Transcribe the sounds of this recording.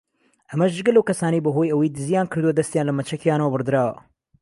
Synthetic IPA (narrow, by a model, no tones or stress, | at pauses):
ʔɐmɐʃdɨɡɐlːɐwkɐsaːnɐjbɐɦojɐwejd̪ɨzijaːnkʰɨɾd̪uwɐd̪ɐst̪jaːnlɐmɐt͡ʃʰɐkʰjaːnɐwɐbɨɾd̪ɨɾaːwɐ̰